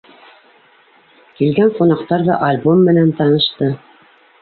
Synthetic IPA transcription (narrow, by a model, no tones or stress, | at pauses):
kilɡæɴqunɑqt̪ɑɾðɑ̰ʔalʲbomːɘ̆nænt̪ɑnɤ̆ʃt̪ɤ